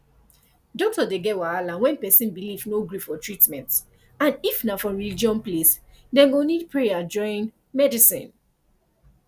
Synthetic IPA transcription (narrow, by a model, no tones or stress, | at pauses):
dɔk̚tɔdeɡɛwaalãnwɛ̃npɛsĩnbilivnoɡɹuffɔtɹitmɛ̃nt | ãnifnafɔɹilid͡ʒiɔ̃nplesdɛ̃ɡonidpɹejad͡ʒɔ̃ɪ̃n | mɛdisḭ̃n